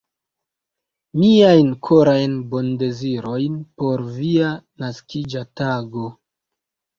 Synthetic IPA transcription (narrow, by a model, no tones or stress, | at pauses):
miajnkʰoɾajnbo̞nde̞ziɾo̞jnpo̞ɾvianaskid͡ʒataɡo̞